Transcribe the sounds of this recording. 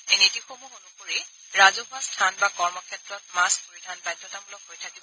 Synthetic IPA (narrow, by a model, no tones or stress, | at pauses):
enetixobuonupoɹi | ɹazɔbʱastʰanbakɔɹmɔkʰɛtɹɔt̚maspoɹidʱanpajtːɔtabulɔkɦojtʰakibɔɔ